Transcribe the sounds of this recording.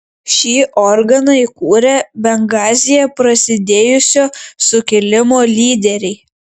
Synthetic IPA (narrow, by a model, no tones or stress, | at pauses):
ʃʲiːʔɔɾɡɐnɐikuːɾʲɛbʲɛŋɡɑːzʲɪjɛpɾɐsʲɪd̪ʲeːjʊsʲoːsʊkʲɪlʲɪmoːlʲiːd̪ʲɛɾʲɛɪ